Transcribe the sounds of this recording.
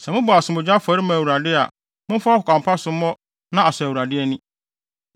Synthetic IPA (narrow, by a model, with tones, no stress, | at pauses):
sɛ˨mʊ̃˦bɔ˨a˨sʊ̃˨mʊ̃˨d͡ʑᶣa˦fa˨ɾɪ˦mã˨u˨ɾa˨dɪ˦a̰˨ | mʊ̃˦fa˦hʊ˨kʰã˨mpʰa˦sʊ̃˦mɔ̃˦ | nã˦a˨sæ˨wu˨ɾa˨dɪ˦ɛ˦nĩ˦